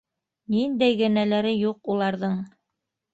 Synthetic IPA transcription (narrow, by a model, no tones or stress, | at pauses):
nind̪æjɡɘ̆nælæɾɘjuqulˠɑɾðɤɴ